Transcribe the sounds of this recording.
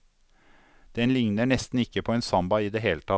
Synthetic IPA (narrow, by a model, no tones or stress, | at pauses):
d̪̥ɛnlɪŋnəɳɛst̪n̩ɪkːəpʰoːeːnsɑmbɑiːd̪eːɦeːlət̪ʰɑ